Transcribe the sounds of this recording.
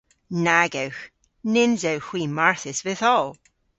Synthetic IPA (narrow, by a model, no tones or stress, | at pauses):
naɡəwx | nɪnzəwxw̥iːmaɹθɪsvɪθɔlˠ